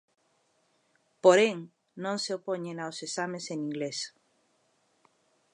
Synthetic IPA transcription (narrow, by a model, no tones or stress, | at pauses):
poɾẽŋ | nõŋseopoɲẽnawsesamẽsenĩŋɡles